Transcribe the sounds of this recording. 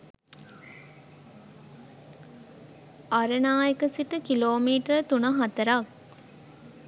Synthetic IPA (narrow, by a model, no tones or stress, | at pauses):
ɐɾənaːjekəsiʈəkiloːmiːʈəɾt̪unɐɦɐt̪ɐɾak